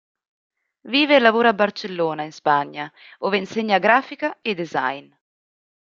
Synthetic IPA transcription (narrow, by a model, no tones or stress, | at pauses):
viːvelavoːɾabːart͡ʃelːoːnainspaɲːaoːveinseɲːaɡɾaːfikaed̪eza̰jn